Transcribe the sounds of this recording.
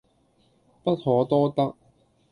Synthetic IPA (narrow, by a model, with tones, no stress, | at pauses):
pɐ˥t̚hɔː˨˧˥t̪ɔː˥t̪ɐ˥k̚